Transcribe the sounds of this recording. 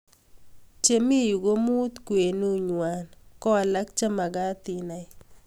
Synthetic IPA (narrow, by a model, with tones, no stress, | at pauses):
t͡ʃe˨mi˦ju˨ɡo˦mu˦t̪kwe˨nu˦ɲwa˨nkɔ˦a˨la˦k̚t͡ʃa˦ma˨ɡa˦t̪i˨na˨ɪ˦